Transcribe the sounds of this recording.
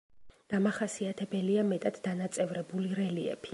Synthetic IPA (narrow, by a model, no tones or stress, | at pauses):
d̪̥amaχasiat̪ʰɛbɛliamɛt̪ʼad̪̥d̪anat̪sʼɛvɾɛbuliɾɛliɛ̰pʰi